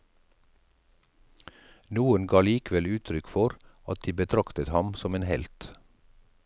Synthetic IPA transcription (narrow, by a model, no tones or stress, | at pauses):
nuːənɡɑːliːkʋɛlʉːt̪ʰɾʏkfɔɾɑt̪̚d̪̥iːbət̪ʰɾɑkt̪ət̪hɑmsɔmeːnhɛ̰lt̪